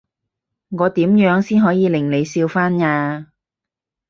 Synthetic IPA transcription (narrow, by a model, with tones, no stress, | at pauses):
ŋɔː˨˧t̪iː˨˥mjœː˨˥ŋsiː˥nɦɔː˨˥jiː˨˧lɪ˨˩ŋle˨˧jsiː˧wfaː˥nŋaː˧